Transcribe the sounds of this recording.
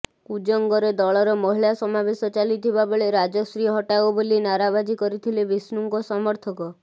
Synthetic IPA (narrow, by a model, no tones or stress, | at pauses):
kud͡ʒɔŋɡɔɾed̪ɔɭɔɾɔmɔɦiɭasɔmabesɔt͡ʃalit̪ʰibabeɭeɾad͡ʒɔsɾiɦɔʈabobolinaɾabad͡ʒikɔɾit̪ʰilebisnuŋkɔsɔmɔɾt̪ʰɔkɔ